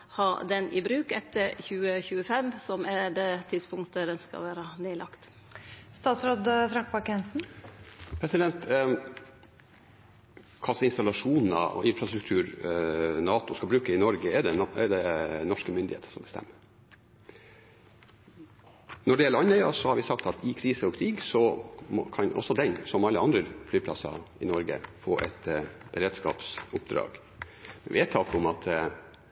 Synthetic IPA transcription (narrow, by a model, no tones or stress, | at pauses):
hɑd̪ɛnʔɪbɾʉːkɛt̪ːəɾçʉːəçʉːəfɛmːsɔmɛd̪ɛt̪ʰɪd̪spʰʊŋkt̪əd̪ɛnskɑ̰ʋæːɾəneːlɑkt̪ | st̪ɑːt̪sɾoːd̪fɾɑŋkpɑkɛnsn | pʰɾɛsɪd̪ɛnt̪ | kʰɑsɔɪnst̪ɑlɑʂuːnn̩ɑ̰ɔ̰ʔɪnfɾɑst̪ɾʉk̚t̪ʰʉːɾ | nɑːt̪ʊskɑlbɾʉːkəɪnɔɾɡəɛd̪ɛɛ̰d̪ɛnɔʂkəmʏnd̪ɪhḛːt̪ə̥sɔmbəst̪ɛ̰mːə | nɔɖɛjɛlːəɑnɛʏɑsɔhɑɾʋɪsɑkt̪ɑt̪ɪkʰɾiːsəɔkʰɾiːɡsɔmɔkʰɑnʔɔ̰sːɔd̪ɛnsɔmɑlːəɑnd̪ɾəflyːpʰlɑ̰sɑ̰ɪnɔɾɡə̰fo̰ːʔɛ̰t̪b̥əɾeːd̪skɑ̰ːpsʊpd̪ɾɑ̰ːɡ̥ | mɛ̰ʋeːt̪ʰːɑːkəʊmɑt̪